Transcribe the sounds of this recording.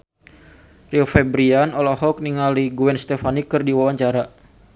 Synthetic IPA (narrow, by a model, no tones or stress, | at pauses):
riɔfɛbɾianɔlɔɦɔk̚niŋaliɡuɛnst̪ɛfanikːɨrdiwawaɲt͡ʃaɾa